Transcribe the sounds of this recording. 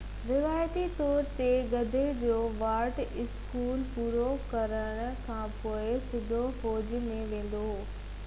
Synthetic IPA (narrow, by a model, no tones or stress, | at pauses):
ɾɪʋaːjt̪it̪ɔːɾt̪eɡɐd̪ʱed͡ʑoːʋaːɾʈɪskuːlpuːɾokɐɾəɽ̃̆kʰãːpoːɪsɪd̪ʱofoːd͡ʑimẽʋẽːn̆d̪o